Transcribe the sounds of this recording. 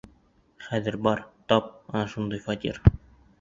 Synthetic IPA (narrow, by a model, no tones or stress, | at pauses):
χæðɘ̆ɾbɒɾt̪ɒp̚ɒnɑʃund̪ɤjfɒt̪ʲḭɾ